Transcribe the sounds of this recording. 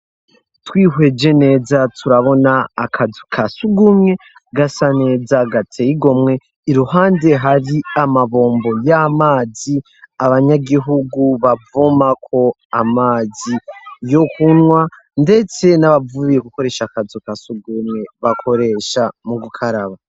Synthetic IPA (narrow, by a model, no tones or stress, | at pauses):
twiːɦwed͡ʒe̞ne̞ːzatʰuɾaβo̞naːkʰazukʰasuɡumŋe̞ | ɡasane̞ːzaɡatʰeiɡo̞mŋe̞ | iɾuɦaːnde̞ɦaɾiamaβo̞ːmbo̞jamaːzi | aβaɲaɡiɦuɡuβavumakʰo̞ | amaːzijo̞kunŋwa | nde̞t͡se̞naβavuβije̞kuko̞ɾe̞ːʃakazukasuɡumŋe̞βakʰo̞ɾe̞ʃamuɡukʰaɾaβa